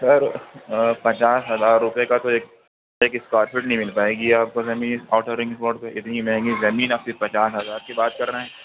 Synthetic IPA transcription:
sɐɾ | pɐt͡ʃaːsɦɐzaːɾːʊpekat̪oeːk̚ | eːkɪskaːʈfɪʈnɐɦĩmɪlpaːeːɡiaːp̚kazɐmiːnɔːʈəɾːɪ̃ŋɡspɔːɖpeʔɪt̪nimɛ̃ɦɛ̃ŋɡizɐmiːnaːp̚sepɐt͡ʃaːsɦɐzaːɾkibaːt̪̚kɐɾnaɦɛː

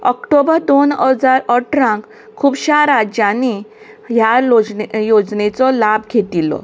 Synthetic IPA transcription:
ɔkʈobəɾd̪onəd͡zaɾəʈɾãk | kʰːuːbɕaɾad͡ʑjani | ɦja | jod͡znet͡sɔlabɡʱeʈ̪ilɔ̰

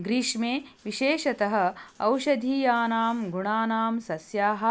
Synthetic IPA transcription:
ɡɾiʂmeː | ʋiʃeːʃɐt̪ɐɦɐ̆ɐwʃɐd̪ʱiːjaːnaːmɡuɳaːnaːmsɐsjaːɦɐ̆

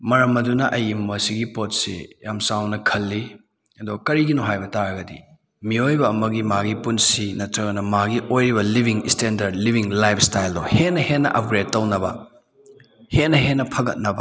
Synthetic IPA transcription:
mɐɾɐmɐdunɐʔɐjimːɐsiɡipotsḭjamsawnɐkʰɐlːi | ɐdokɐɾiɡinoɦajbɐtaɾɐɡɐdḭ | miojbɐːmɐɡimaɡipunsinɐtɾɐɡɐnɐmaɡiojɾibɐlibʱiŋistendɐɾdlibʱiŋlajpʰstajldɔhenɐhenːɐ̰ʔɐp̚ɡɾed̚tːɐwnɐbɐ̰ | henɐɦenːɐpʰɐɡɐt̚nɐbɐ

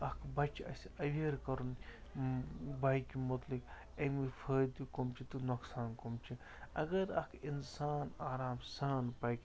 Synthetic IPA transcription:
ɐkʰbɐt͡ʃɐ̰sɐʋʲeɾkɐɾun | bajkimut̪lik | emipʰəːjd̪komt͡ʃʰit̪unoksaːnkomt͡ʃʰi | ɐ̰ɡɐɾɐ̰kʰinsaːnaːɾaːmsaːnpɐjk

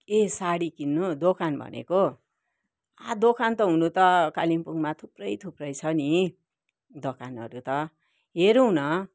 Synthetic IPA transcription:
kesaɽikinːud̪okʰanbʱʌ̰nḛko | ad̪okʰant̪ʌɦunut̪ʌkalimpuŋmat̪ʰuprʌjt̪ʰuprʌjt͡sʰʌni | d̪ʌkʰanʌ̰ɾut̪ʌ | ɦeɾunʌ

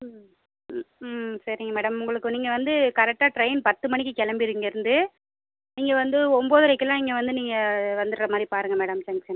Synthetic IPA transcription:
sɐɾɪŋɡɐmɛːɽɐmʊŋɡɐɭɯkːɯniːŋɡɐʋɐnd̪ɯkɐɾɛk̚ʈːaːʈɾɐɪnpɐt̪ːɯmɐɳɪkːɯkɛɭɐmbɪɾɯŋɡɐɪɾɯnd̪ɯ | niːŋɡɐʋɐnd̪ɯɔmboːðɯɾɐkːɯlãːɪŋɡɐʋɐnd̪ɯniːŋɡɐʋɐnd̪ɯɾɾɐmaːðɾipaːɾɯŋɡɐmeːɽɐmsɐŋɡsɐn

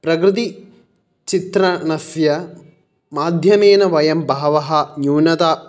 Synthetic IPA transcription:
pɾɐkɾɨt̪̬i | t͡ʃit̪ɾɐnɐsjɐ | maːd̪ʱjɐmeːnɐʋɐjɐmbʱɐːɐʋɐɦɐ̆njuːnɐt̪aː

